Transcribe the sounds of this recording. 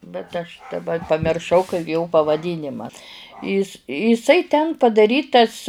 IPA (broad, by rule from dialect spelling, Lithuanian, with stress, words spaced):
bʲɛt ɐʃ dɐˈbɐ pɐmʲɪrˈʃɐʊ kɐɪ joː pɐʋɐˈdʲiːnʲɪmɐ ˈɪs ɪˈsɐɪ tʲɛn pɐdɐˈrʲiːtɐs